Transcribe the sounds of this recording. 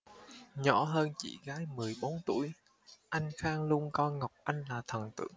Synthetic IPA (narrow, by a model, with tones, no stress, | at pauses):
ɲɔ̰˧˩˥ɦəː˧nt͡ɕḭ˧˨ɣaː˨˦jmɨ˨˩əjɓo˨˦nt̪ṵ˧˩˨j | ʔa˧jŋ̟xaː˧ŋlu˧ənkɔ˧ŋa˨˩wk͡p̚ʔa˧jŋ̟laː˨˩t̪ʰə˨˩nt̪ɨ̰˧˩əŋ